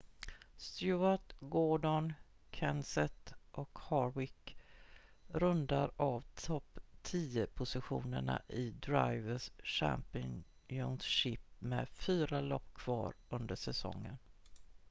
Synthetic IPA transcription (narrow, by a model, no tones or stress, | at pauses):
st̪jʉaʈ̪ɡɔɖɔn | kʰɛnsɛt̪ʔɔkhɑːɾwɪk | ɾɵnd̪aɾavt̪ʰɔpːt̪ʰiːəpʰʊsɪɧuːnəɳa̰ʔɪd̪ɾajvəsɕæ̰mpɪ | jʊnɕɪpmɛfyːɾalɔpːkʰv̥ɑːɾɵnd̪əʂɛsɔ̰ŋːən